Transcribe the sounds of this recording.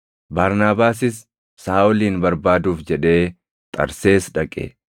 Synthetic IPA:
baːɾnaːbaːsɪsː | aːʔʊliːnbɐɾbaːd̪uːfd͡ʒɛᶑe̞ː | t̪ʼɐ̰ɾse̞ːsᶑɐkʼɛ̰

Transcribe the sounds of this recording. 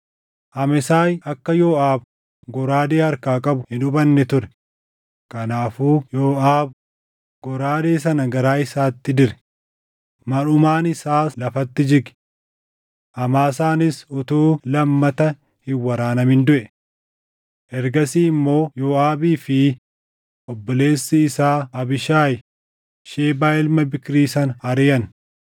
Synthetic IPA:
ʔɐmɪsaːjʔɐkːɐjoːaːb | ɡɔɾaːd̪eːɐɾkaːkʼɐbʊhɪᶑʊbɐnːɛt̪ʊɾɛ | kɐnaːfuːjoːʔaːb̚ | ɡɔɾaːd̪eːsɐnɐɡɐɾaːɪsaːt̪ːɪd̪ɪɾɛ̥ | mɐɾʊmaːnɪsaːlɐfɐt̪ːɪd͡ʒɪɡɛ̥ | ʔɐmaːsaːnɪsʊt̪uːlɐmːɐt̪ɐ | hɪwɐɾaːnɐmɪnd̪ʊʔɛ | ʔɛɾɡɐsiːmːo̞ːjoːaːbiːfɪ | ʔɔbːɔle̞ːsːɪːsaːɐbɪʃaːj | ʃeːbaːɪlmɐbɪkɾiːsɐnɐɾɪjɐn

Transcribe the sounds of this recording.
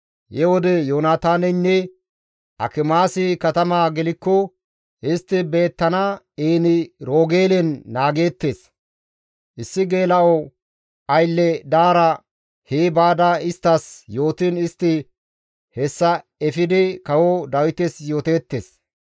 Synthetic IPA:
jɛwɔd̪ɛjoːnaːt̪aːnɛnːɛ | ʔɐ̰kɪmaːsɪkɐt̪ɐmaːɡɛlɪkːɔ | ʔɪst̪ːɪbe̞ːt̪ːɐna | eːnɪɾoːɡe̞ːlɛnːaːɡe̞ːt̪ːeːs | ʔɪsːɪɡe̞ːlɐʔɔ | ʔɐjlːɛd̪aːɾɐ | heːbaːd̪ɐɪst̪ːɐsjo̞ːt̪ɪnɪst̪ːɪ | hɛsːɐ | ɛfɪd̪ɪkɐwɔd̪ɐwɪt̪ɛsjo̞ːt̪e̞ːt̪ːeːs

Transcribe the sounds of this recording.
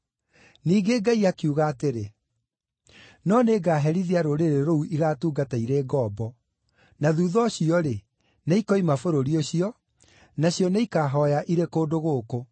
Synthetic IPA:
niːɡeɡaiakiuɣaːteɾe | nɔneːɡaːɦɛɾiðiaɾoɾeɾeɾouʔiɣaːtuːɡataiɾeːɡɔːbɔ | naðuːðɔɕiɔɾe | neikɔimafoɾoɾioɕiɔ | naɕjɔneikaːɦɔjaʔiɾekoːdoɣoːko

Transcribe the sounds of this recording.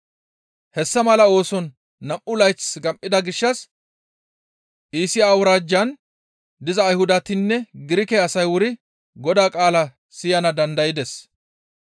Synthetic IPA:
hɛsːɐmɐlɐo̞ːsɔnː | ɐmʔʊlɐjt͡sɡɐmʔɪd̪ɐɡɪʃːɐs | ʔiːsɪjaːwʊɾaːd͡ʒːɐn | d̪ɪzɐːjhʊd̪ɐt̪ɪnːɛɡɪɾɪkɛɐsɐjwʊɾɪ | ɡɔd̪aːkʼaːlɐ | sɪjɐnɐd̪ɐnd̪ɐjɪd̪ɛs

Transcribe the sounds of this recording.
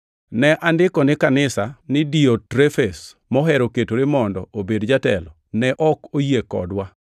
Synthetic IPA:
nɛʔandɪkɔnɪkanɪsanɪdiotɾefes | mɔɦɛɾoketoɾɪmɔndɔobedd͡ʒatɛlɔnɛʔɔkojekɔ̰dwa

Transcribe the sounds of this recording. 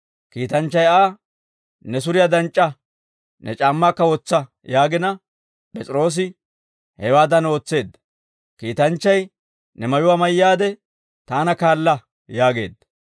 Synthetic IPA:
kiːt̪ɐnt͡ʃːɐjaː | nɛs̬ʊɾɪjad̪ɐnt͡ʃʼːɐ | nʔɛt͡ʃʼaːmːaːkːɐwɔt͡sːɐ | jaːɡɪnɐ | pʼɛt͡sʼɪɾo̞ːs̬ɪ | hɛwaːd̪ɐno̞ːt͡sːe̞ːd̪ːɐ̥ | kiːt̪ɐnt͡ʃːɐj | nɛmɐjʊwaːmɐjːaːd̪ɛ | t̪aːnɐkaːlːɐ | jaːɡe̞̰ːd̪ːɐ̥

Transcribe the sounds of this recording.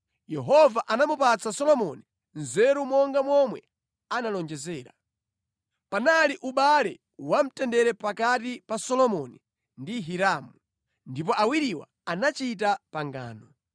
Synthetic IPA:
jɛɦɔvaʔanamupat͡sasɔlɔmɔni | nzɛɾumɔŋɡamwɔmwɛ | analɔnd͡ʒɛzɛːɾa | panaliʔuɓalɛ | wam̩tɛndɛɾɛpakatipasɔlɔmɔni | ndiɦiɾamu | ndip̬ɔʔawiɾiwa̰ | anat͡ʃit̬apaŋɡa̰ːnɔ

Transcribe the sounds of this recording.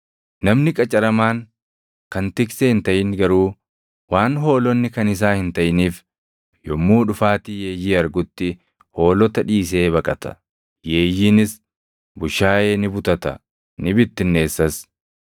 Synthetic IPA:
nɐmnɪkʼɐt͡ʃʼɐɾɐmaːŋ | kɐnt̪ɪkseːɪnt̪ɐʔɪŋɡɐɾuː | waːnɦo̞ːlɔnːɪkɐnɪs̬aːhɪnt̪ɐʔɪniːf | jɔmːuːᶑʊfaːt̪ijeːjiːɐɾɡʊt̪ːɪ | ho̞ːlɔt̪ɐᶑiːs̬e̞ːβɐkʼɐt̪ɐ̥̰ | je̞ːjinɪs | bʊʃaːjeːnɪbʊt̪ɐt̪ɐ̰ | nɪbɪt̪ːɪnːe̞ːsːɐs

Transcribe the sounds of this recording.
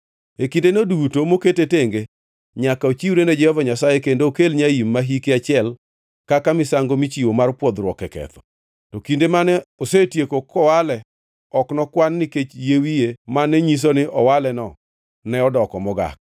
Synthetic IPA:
ekindenodutomoketeteŋɡe | ɲakaot͡ʃiwuɾened͡ʒɛhɔvaɲasajekendoːkelɲaimːaɦikeat͡ʃɪɛl | kakamɪsaŋɡomit͡ʃiwomarpwɔd̪ɾwɔkɛkɛ̰t̪ɔ̥ | tɔkindemanɛosetjekokɔwalɛ | ɔknɔkwanːɪket͡ʃjewijemanɛɲis̬onɪʔɔwalɛnɔ | nɛɔdɔkɔmɔɡa̰k̚

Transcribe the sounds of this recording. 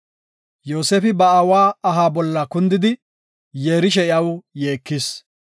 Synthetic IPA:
jo̞ːseːfɪbɐɐwaːɐɦaːbɔlːɐkʊnd̪ɪd̪ɪ | jeːɾɪʃ̬ɛɪjɐwje̞ːkːɪs

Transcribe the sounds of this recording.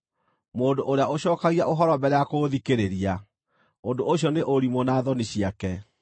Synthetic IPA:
moːndoʔoɾeaoɕɔːkaɣiaʔoɦɔɾɔbɛɾeakoðikeɾeɾia | ondoʔoɕjɔneʔoɾimonaːðɔniɕiakɛ

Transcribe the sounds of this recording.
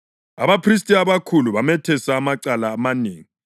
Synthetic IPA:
a̰βapʰris̬tʼiaβakʰuluβamɛtʰɛsaːmaǀalaːmaneːŋi

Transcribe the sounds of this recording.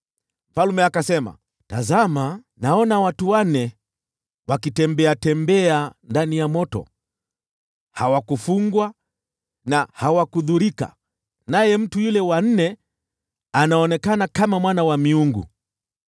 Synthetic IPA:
m̩falumɛakasɛma̰ | tazama | naɔnawatuwanɛ | wakitɛmbɛatɛmbɛandanijamɔtɔ̰ | hawakufuŋɡwa | nahawakuðuɾika̰ | najɛm̩tujulɛwan̩nɛ | anaɔnɛkanakamamwanawamiuŋɡṵ

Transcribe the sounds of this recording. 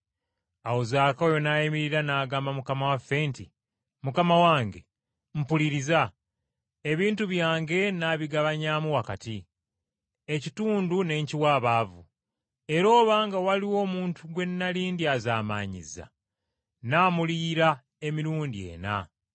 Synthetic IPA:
awozaːkaojo̞naːjimiɾiɾanaːɡaːmbamukamawafːe̞ːnti | mukamawaːŋɡe̞ | m̩puliɾiza | e̞βiːntuβjaːŋɡe̞naːβiɡaβaɲaːmuwakati | e̞cituːndune̞ːɲciwaːβaːvu | e̞ɾo̞ːβaːŋɡawaliwo̞ːmuːntʰuɡwe̞nːaliːndiazaːma̰ːɲḭza̰ | naːmuliːɾa | e̞miɾuːndie̞̰ːna̰

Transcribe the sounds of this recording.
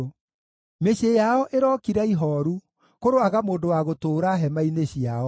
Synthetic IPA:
meɕejaɔʔeɾɔkiɾaiɦɔɾu | koɾoaɣamoːndowaɣotoːɾaɦɛmaineɕiaɔ

